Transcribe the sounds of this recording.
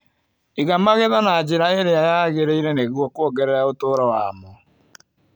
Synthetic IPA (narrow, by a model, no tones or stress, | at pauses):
eɣamaɣeðɔnaːd͡ʒeɾaeɾeajaɣeɾeiɾeneɣwɔkwɔɡɛɾɛɾaotoːɾɔwamɔ